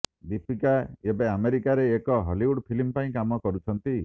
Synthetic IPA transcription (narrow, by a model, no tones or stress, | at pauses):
d̪ipʰikaebeameɾikaɾeːkɔɦɔliuɽpʰilimpaĩkamɔkɔɾut͡ʃʰɔnt̪i